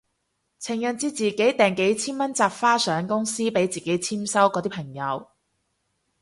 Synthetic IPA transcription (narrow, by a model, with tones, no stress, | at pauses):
t͡sʰɪ˨˩ŋjœ˨nt͡siː˧t͡siː˨ke˨˥jt̪ɛː˨ŋke˨˥jt͡sʰiː˥nmɐ˥nt͡saː˧p̚faː˥sœː˨˥ŋkʊ˥ŋsiː˥pe˨˥jt͡siː˨˩ke˨˥jt͡sʰiː˥msɐ˥wkɔː˨˧˥t̪iː˥pʰɐ˨˩ŋjɐ˨˧w